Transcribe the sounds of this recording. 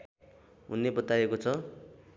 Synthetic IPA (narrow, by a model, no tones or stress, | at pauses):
unːebʌt̪aekot͡sʰʌ